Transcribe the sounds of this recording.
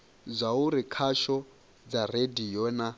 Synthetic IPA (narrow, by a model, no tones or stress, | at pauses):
zʷauɾikʰaʃɔ | d͡zaredijɔna